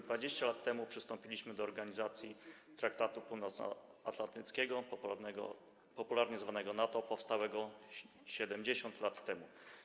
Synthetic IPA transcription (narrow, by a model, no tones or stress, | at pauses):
d̪vad͡ʑeɕt͡ɕalat̪ːɛmupʂɘst̪ɔmpʲilʲiɕmɘd̪ɔːɾɡaɲizat̪sʲjit̪ɾak̚t̪at̪upuwnɔt̪snɔ̰a̰t̪lant̪ɘt̪skʲɛɡɔɡɔ̰ | pɔpulaɾɲɛzvanɛɡɔnat̪ɔpɔfst̪awɛɡɔ | ɕɛd̪ɛmd͡ʑeɕɔnt̪lat̪ːɛmu